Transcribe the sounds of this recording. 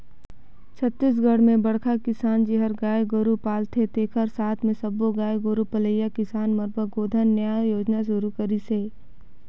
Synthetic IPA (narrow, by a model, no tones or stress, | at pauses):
t͡ʃʰət̪ːis̬ɡəɽmẽbɐɽkʰakɪsaːnd͡ʒɪɦəɾɡaːjɡoɾupaːlt̪ʰet̪eːkʰəɾsaːt̪ʰmẽsɐboɡaːjɡoɾupələjːakɪsaːnməɾbʱəɡoːd̪ʱənːjaːjoːd͡ʒnaʃ̬ʊɾukɐɾiseː